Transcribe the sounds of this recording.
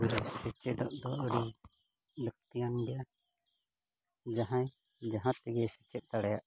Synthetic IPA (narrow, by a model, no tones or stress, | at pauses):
ɾɛsɛt͡ʃɛd̪ɔʔd̪ɔuɾi | ɖək̚t̪ijanbɛja | d͡ʒaɦãj̃ | d͡ʒaɦãt̪ɛɡɛsɛt͡ʃɛt̪̚t̪aɽɛjaʔ